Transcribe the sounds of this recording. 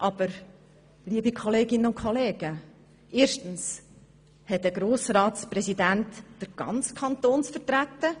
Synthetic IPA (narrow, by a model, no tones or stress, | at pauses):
ʔɑb̥əɾ | liəbikʰɔleːɡɪnːənʊnkʰɔleːɡ̥ə | ʔeːɾʃtən̩s | hɛtdəɡɾoːsɾɑːtspɾɛsidæntːəɾɡ̥ɑ̰nt͡skʰɑnt̪oːnsfəɾtɾæt̪ːə